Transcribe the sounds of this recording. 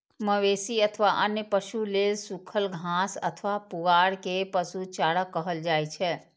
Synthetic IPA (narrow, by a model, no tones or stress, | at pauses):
məʋeːsiət̪ʰʋaʔənjəpəʃuleːsukʰəlɡʱãːsə̰t̪ʰʋapʊɡaːɽkepəsut͡ʃaːɽəkːəɦəld͡ʒaːit͡ʃʰɛː